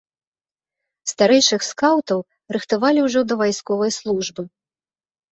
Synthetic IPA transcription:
st̪aɾɛjʂɨxskawt̪ɐw | ɾɨxt̪avalʲiwʐɔd̪ɐvajskɔvɐjslˠuʐbɨ

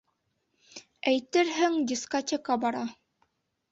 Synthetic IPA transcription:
æjt̪ɘɾɦɘŋdʲiskotʲekɑbɑɾɑ

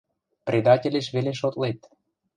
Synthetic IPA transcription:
prʲed̪ɑtʲelʲeʃβeleʃot̪let̪

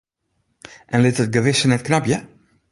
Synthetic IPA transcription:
ʔɛnlɪt̪ət̪̚ɡəvɪsənɛt̪knabjə

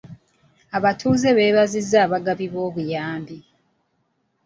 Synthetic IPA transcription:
aβatʰuːze̞βe̞ːβazizːaːβaɡaβiβo̞ːβujaːmbi

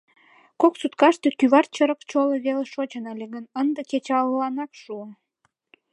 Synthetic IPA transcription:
koksut̪kɑʃt̪e̽kyβɑrt͡ɕəɾəkt͡ɕoleβeleʃot͡ɕənəlʲeɣənənd̪eket͡ɕɑllɑnɑkʃuən

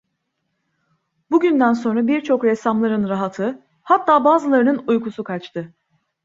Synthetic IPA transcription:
buɟynd̪ænso̞nɾabiɾt͡ʃʰo̞kɾɛsamlˠaɾɯnɾaɦat̪ʰɯ | hat̪ʰːaːbaːzɯlˠaɾɯnɯnujkusukʰat͡ʃt̪ʰɯ

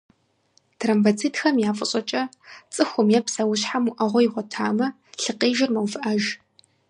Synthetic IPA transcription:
trɐmvɐt͡sʰitxɐmjaːfʼɨɕʼɐt͡ʃʼɐ | t͡sʼɨxʷʊmjɛpʰsɐwʊɕħamʊʔɐʁʷɔjiʁʷɔtʰaːmɐ | ɬɨqiːʒɪrmɐwfɨʔaʒ

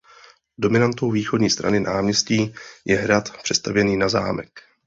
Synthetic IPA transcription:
do̞mɪnant̪owviːxo̞dɲiːst̪ɾa̰nɪnaːmɲɛsciːjɛɦɾat̪pr̝̥ɛst̪avjɛniːnaza̰ːmɛk

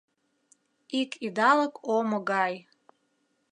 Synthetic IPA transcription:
ikʰʼid̪aləkʰʼoməɡaj

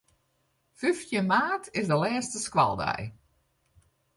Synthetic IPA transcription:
fyftjəmaːtʰɪsdəlɛːstəskwa̰lˠdɛ̰j

